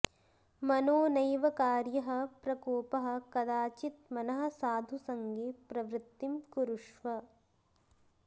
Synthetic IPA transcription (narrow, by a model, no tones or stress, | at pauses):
mɐnoːnɐjʋɐkaːɾjɐɦɐ̆pɾɐkoːpɐɦɐ̆kɐd̪aːt͡ʃit̪̚mɐnɐɦɐ̆saːd̪ʱusɐŋɡepɾɐʋɾɪt̪ːimkuɾuʂʋɐ